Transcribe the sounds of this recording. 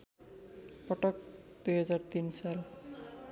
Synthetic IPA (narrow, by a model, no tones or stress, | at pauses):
pʌʈʌk̚ | d̪ujɦʌd͡zart̪insal